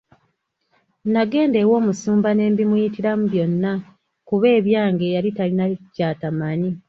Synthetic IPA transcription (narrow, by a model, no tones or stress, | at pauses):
naɡe̞ːnde̞wo̞ːmusuːmbane̞ːmbimujitiɾamuβjo̞nːa | kuβe̞ːβjaːŋɡe̞jalitalinacaːtamani